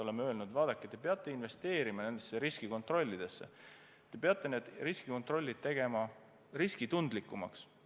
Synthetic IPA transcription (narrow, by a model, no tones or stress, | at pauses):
o̞le̞meøːlnud̪vɑːd̪ɑkːˑet̪ːepe̞ɑt̪ˑːe̞inve̞st̪e̞ːɾimɑne̞nd̪̥esːeɾiskiko̞nt̪ˑro̞lʲːid̪̥e̞sːe̞̰ | t̪e̞pe̞ɑt̪ˑːe̞ne̞ːd̪̥riskiko̞nt̪ˑro̞lʲːid̪̚t̪e̞ɡ̥e̞mɑ | riskit̪und̪likˑːumɑ̰ks